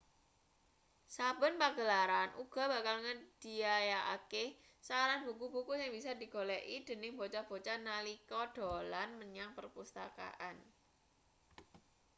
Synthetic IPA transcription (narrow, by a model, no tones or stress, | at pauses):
sabə̤npaɡ̥əlaɾanʔṵɡ̥a̤ba̤kalŋəd̥i̤ajaʔa̰keh | saɾanbukub̥ukusɪŋbisad̪i̤ɡ̥olɛʔid̥ə̤nɪhmbot͡ʃab̥o̤t͡ʃanalikɔɖ̥olanməɲaŋpərpust̪a̰ka̰ʔan